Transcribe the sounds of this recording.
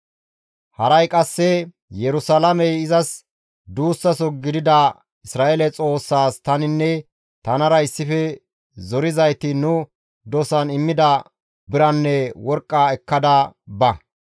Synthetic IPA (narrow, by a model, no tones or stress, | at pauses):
hɐɾɐjkʼɐsːɛ | jɛɾʊsɐlɐmɛjɪzɐs | d̪uːsːɐsɔɡɪd̪ɪd̪ɐ | ɪsɾaːʔelɛt͡sʼo̞ːsːaːst̪ɐnɪnːɛ | t̪ɐnɐɾɐɪsːɪfɛ | zɔɾɪzɐjt̪ɪnʊ | d̪ɔsɐnɪmːɪd̪ɐ | bɪɾɐnːɛwɔɾkʼːaːɛkːɐd̪ɐbɐ